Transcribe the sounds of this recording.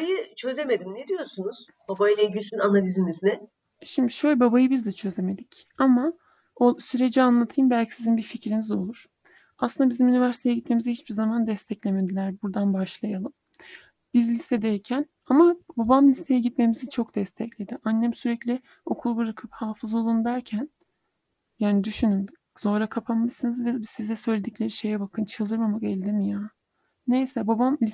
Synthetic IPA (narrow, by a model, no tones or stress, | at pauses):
ajɯt͡ʃʰø̞zeme̞d̪imned̪ijo̞sunuz̥ | b̥abajɯneɟʲisinanalʲiziniznɪ | ʃimd̪iʃøjlʲbabajɯbizd̪ɛt͡ʃʰø̞ze̞me̞d̪ic | ama | osyɾe̞d͡ʒianlˠat̪ʰɯjɯmbælʲcʰi̥sizinbiɾficɾinizo̞lˠuɾ̥ | aslˠɯnd̪abizimynivæɾsit̪ʰejɛɟit̪me̞mizihit͡ʃbiɾzamand̪ɛst̪ʰɛclʲemed̪ilʲæɾbuɾd̪anbaʃlˠajalˠɯm | bizlʲist̪ɛd̪ejcʰæn | amababamlʲist̪ʰe̞jɛɟit̪me̞mizit͡ʃʰo̞kd̪ɛst̪ʰɛclʲe̞d̪iʔanːɛmsyɾɛclʲɪ | o̞kʰulˠbuɾakʰɯphaːfɯzo̞lˠund̪æɾcʰæn | jaːnid̪yʃynyn | z̥o̞ɾakʰapʰamːɯʃsɯnɯzvɛbsizɛsø̞jlʲe̞d̪iclʲe̞ɾiʃe̞jɛbakʰɯnt͡ʃʰɯlˠd̪ɯɾmamakɛlʲd̪imijaː | ne̞jsɛbabamlʲi